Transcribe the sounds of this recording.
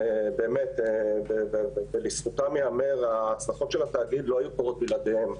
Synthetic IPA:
ebe̞ːmetebevbelisfut̪amjeameʁat͡slaχo̞t̪ʃelat̪aːɡid̪lo̞ɦajukoʁot̪̚bilad̪em

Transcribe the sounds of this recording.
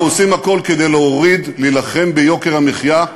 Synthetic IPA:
osimhako̞lke̞d̪e̞jleoʁid̪lilaχe̞mbejo̞ke̞ʁamiχja

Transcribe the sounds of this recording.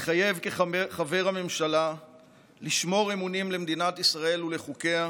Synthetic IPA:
χaje̞vkeχave̞ʁame̞mʃala | liʃmo̞ʁemunimle̞md̪inat̪isʁae̞lule̞χuke̞a

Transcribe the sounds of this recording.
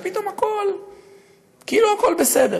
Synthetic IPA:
pit̪o̞mhako̞l | kiʔiluhako̞lbesed̪e

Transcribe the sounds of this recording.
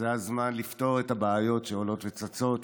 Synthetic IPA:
eazmanlifto̞ʁetabaːjo̞tʃeolo̞tvet͡sat͡so̞t

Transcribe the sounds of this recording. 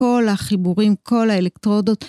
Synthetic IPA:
o̞laχibuʁimkʰo̞laelektʁo̞do̞t

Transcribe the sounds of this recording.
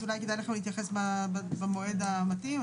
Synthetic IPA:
ulajkedajleχamlit̪jaχesbabemoʔe̞d̪aːmat̪im

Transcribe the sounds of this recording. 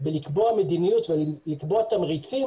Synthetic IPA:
belikboamed̪inijut̪velikboat̪amʁit͡si

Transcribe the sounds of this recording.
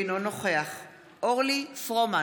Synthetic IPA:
nonoχeaχ | oʁlifʁoma

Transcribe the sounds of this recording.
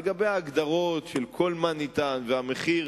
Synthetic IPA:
ɡabejaːɡd̪aʁo̞tʃelkʰo̞lmanit̪anveameχi

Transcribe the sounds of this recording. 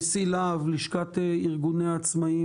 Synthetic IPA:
silavliʃkat̪eiʁɡuneat͡smai

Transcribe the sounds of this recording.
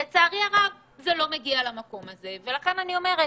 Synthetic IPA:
et͡saːʁiaʁav | zelo̞me̞ɡialamako̞maze̞ve̞laχe̞nanio̞me̞ʁe

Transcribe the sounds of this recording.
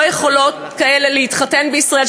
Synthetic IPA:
jeχo̞lo̞t | kaeleleitχatenbeisʁael

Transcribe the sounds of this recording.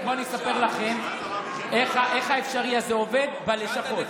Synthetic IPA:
moaniesape̞ʁlaχe̞n | eχaʔe̞χaefʃaʁiazeo̞ve̞d̪baleʃaχo̞t̪

